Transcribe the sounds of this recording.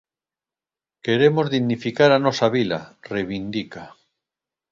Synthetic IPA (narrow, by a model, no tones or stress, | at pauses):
keɾemozðiɣnifikaɾanosaβilarejβind̪ika